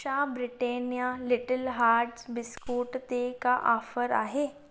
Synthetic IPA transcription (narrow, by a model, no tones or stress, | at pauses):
abɾiʈenjalɪʈəlɦaːɾʈsbɪskuːʈt̪ekaʔaːfəɾa̰ɦe